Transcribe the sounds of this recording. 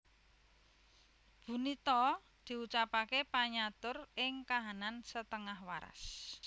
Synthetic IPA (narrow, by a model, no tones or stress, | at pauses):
b̥ṳnit̪ɔ | d̪̥i̤ut͡ʃapakepaɲat̪ʊrɪŋkaɦanansət̪əŋahwaɾa̰s